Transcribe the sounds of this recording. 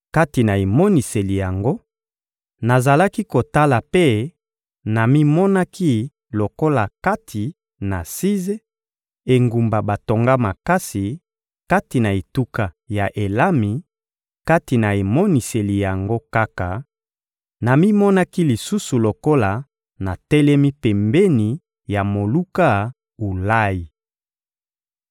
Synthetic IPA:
ka˦ti˨na˨e˨mɔ˦ni˨se˨li˨ja˨ŋɡo˦ | na˨za˨la˦ki˦ko˨ta˦la˨pe˦ | na˨mi˦mɔ˦na˦kʰi˦ | lo˨ko˦la˨ka˦tʰi˨ | na˨si˦ze˦ | e˨ŋɡu˨mba˨ba˨to˨ŋɡa˦ma˨ka˦si˨ | ka˦ti˨na˨e˨tu˦ka˨ | ja˨ʔe˨la˦mi˨ | ka˦ti˨na˨e˨mɔ˦ni˨se˨li˨ja˨ŋɡo˦ka˦ka˨ | na˨mi˦mɔ˦na˦ki˦li˨su˦su˨lo˨ko˦la˨ | na˨tɛ˦lɛ˦mi˦pɛ˨mbɛ˦ni˨ | ja˨mo˨lu˦ka˦ | u˨la˦ji˨

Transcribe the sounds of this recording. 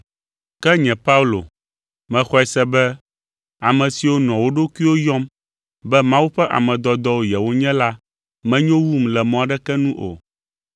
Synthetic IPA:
kɛ˦ɲɛ̃˨pa˦u˦lo̰˨ | mɛ̃˨xɔ˦ɛ˦sɛ˦bɛ˦ | a˨mɛ̃˨si˨wo˦nɔ̃˨wo˦ɖo˦ku˦i˦wo˦jɔ̃˦m | bɛ˦mã˦wu˦ɸɛ˦ʔa̰˨mɛ̃˨d̪ɔ˨d̪ɔ˦wo˦˨jɛ˨wo˦ɲɛ̃˦la˦ | mɛ̃˦ɲɔ̃˦wu˦mlɛ˨mɔ̃˨a˨ɖɛ˦kɛ˦nũ˦ʔo̰˨

